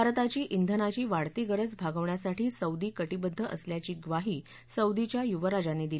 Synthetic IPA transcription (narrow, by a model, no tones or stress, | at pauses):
baɾt̪at͡ɕiːʔind̪ʱənat͡ɕiːʋaɽt̪iɡəɾəd͡zbʱaɡəʋɳjasaʈʰiːsəwd̪iːkəʈibəd̪ʱːəʔəsljat͡ɕiːɡʋaɦiː | səwd̪it͡ɕjajuʋəɾad͡ʑaneːd̪ili